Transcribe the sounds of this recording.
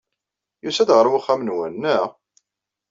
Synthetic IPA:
jusæd̪ʁəɾˤwaχːæmənwænːæ

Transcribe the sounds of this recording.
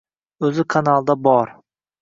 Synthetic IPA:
ɵzɪkʰanalˠd̪abɒɾ

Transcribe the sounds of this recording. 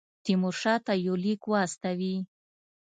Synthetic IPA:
t̪imoʂɑt̪ajolikwɑst̪awi

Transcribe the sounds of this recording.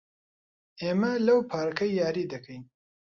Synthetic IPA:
emalɐwpʰɑːɾkɐjːɑːɾid̪ɐkʰəj

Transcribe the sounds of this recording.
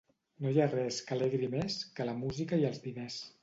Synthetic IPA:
nojarɛskəlɛɣɾimeskələmuzikəiəlˠzβinɛs

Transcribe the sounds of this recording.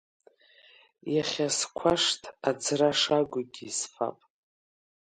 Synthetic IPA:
jaχʲaskʷʰaʂtʰad͡zraʂaɡʷʊɡʲiːsfa̰pʼ

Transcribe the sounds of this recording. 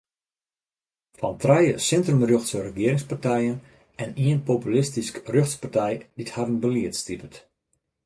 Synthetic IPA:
fɔntrɛjəsɪntrəmrøxtsərəɡɪəɾɪŋspartɛjən | ɛniənpopylɪstiskrøxtspartɛjd̥ithadənbəliətstipət

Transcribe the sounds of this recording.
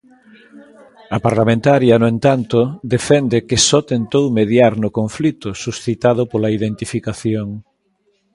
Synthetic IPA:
ɐpaɾlamẽnt̪aɾjɐnʊẽnt̪ant̪ʊd̪efɛnd̪ɪkɪsɔt̪ent̪owmeðjaɾnʊkoɱflit̪ʊsusθit̪að̞ʊpolɐiðent̪ifikaθjoŋ

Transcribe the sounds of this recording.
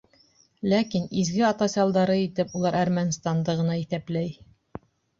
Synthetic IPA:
lækinizɡɘɑt̪ɑsɑlˠd̪ɑɾɤit̪ɘpulˠɑɾʔæɾmænst̪and̪ɤʁɤ̆nɑiθæplæj

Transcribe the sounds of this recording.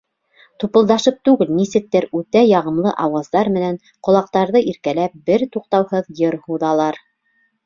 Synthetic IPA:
t̪upɤ̆lˠd̪ɑʃɤp̚t̪ʉɡɘlnisɘ̆k̚t̪ːɘɾʉt̪æjɑʁɤ̆mlˠɤʔɑwɑzd̪ɑɾmɘ̆næn | qŏlˠɑq̚t̪ɑɾðɤʔiɾkælæp̚bɘɾt̪uq̚t̪ɑwhɤðjɤɾhuðɑlˠɑɾ

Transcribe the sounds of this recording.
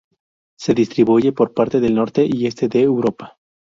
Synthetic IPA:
se̞ðist̪ɾiβuʝe̞po̞ɾpaɾt̪e̞ðe̞lno̞ɾt̪e̞ʔie̞st̪e̞ðeːwɾo̞pḁ

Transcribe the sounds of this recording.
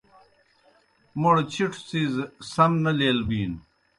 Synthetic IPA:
moɽt͡ɕʰiʈʰsizsɐmnɐleːlbiːn

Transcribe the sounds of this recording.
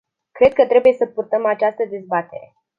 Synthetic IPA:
kɾe̞d̪̚kət̪ɾe̞buje̞səpurt̪əmat͡ʃast̪əd̪e̞zbat̪e̞̰ɾe̞

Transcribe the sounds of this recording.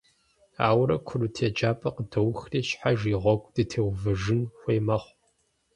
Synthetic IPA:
a̰ːwɾɐkʷʰʊrutʰeːd͡ʒaːpʼɐqədɐwxriːɕħaʒiːʁʷɔɡʷʼd̥ɨtʰeːwvɨʒɨnxʷeːmɐχʷ

